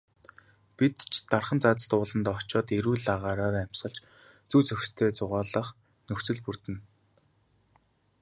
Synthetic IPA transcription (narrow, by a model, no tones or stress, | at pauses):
pit̪t͡ɕʰt̪arχə̆nt͡saːt͡sə̥̆t̪ʊːɮə̆nt̪ɔt͡ɕɔːt̪eɾuːɮaʁaːɾaːɾæm̥ʲsʁə̆ɮt͡ɕ | t͡suːt͡sɵxst̪ʰeːt͡sʊʁaːɮə̆χ | nɵxt͡sɵ̆ɮpur̥t̪ɘ̆n